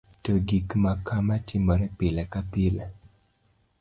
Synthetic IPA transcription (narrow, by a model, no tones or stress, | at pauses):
toɡikmakʰamatɪmɔɾɛpɪlɛkapɪlɛ